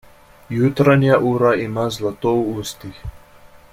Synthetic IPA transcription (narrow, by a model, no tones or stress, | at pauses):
jut̪ɾanijaʔuɾaimazlˠat̪ɔuust̪i